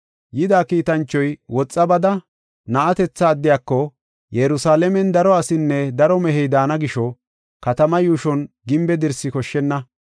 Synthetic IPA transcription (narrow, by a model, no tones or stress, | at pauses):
jɪd̪aːkiːt̪ɐnt͡ʃːɔjwɔt͡sʼːɐbɐd̪ɐ | nɐʔɐt̪ɛt͡sːɐːd̪ːɪjaːkːɔ | jɛɾʊsaːlɛmɛnd̪ɐɾɔɐsɪnːɛd̪ɐɾɔmɛɦɛjd̪aːnɐɡɪʃɔ | kɐt̪ɐmɐjuːʃɔn | ɡɪmbɛd̪ɪɾsɪkɔʃːɛnːɐ